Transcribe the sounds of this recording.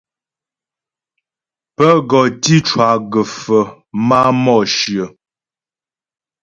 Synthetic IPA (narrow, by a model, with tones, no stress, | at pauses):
pə˦ɡɔ˨ti˦t͡ʃwa˨ɡə˨fə˨ | ma˦mɔ˦˨ʃjə˨